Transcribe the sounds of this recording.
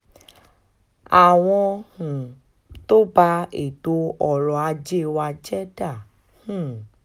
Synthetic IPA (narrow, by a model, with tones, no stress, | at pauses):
a˨w̃ɔ̃˧hũ˨ | to˦ba˧e˨to˧ɔ˨lɔ˨a˧d͡ʒe˦˨wa˧d͡ʒɛ˦da˦˨ | hũ˨